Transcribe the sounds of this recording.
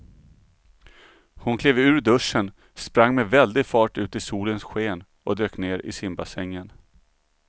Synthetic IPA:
hʊnkʰleːvʉ̟ːɾɖɵʂən | spɾaŋːmɛvɛld̪ɪɡfɑːʈʉ̟ːt̪ɪsuːlənsɧeːn | ɔd̪øːkneːɾɪ̰sɪmbasɛŋːən

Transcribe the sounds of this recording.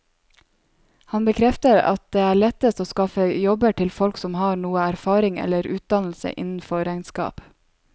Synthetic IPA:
hɑnbəkʰɾɛft̪əɾɑ̰t̪̚d̪eːæːɭɛt̪əst̪oːskɑfəjɔbəʈʰɪlfɔlksɔmhɑːɾɳuːəæɾfɑːɾɪŋɛ̰ləɾʉːt̪̚d̪ɑnl̩sə̰ʔɪ̰nn̩fɔɾæɪnskɑ̰ːp

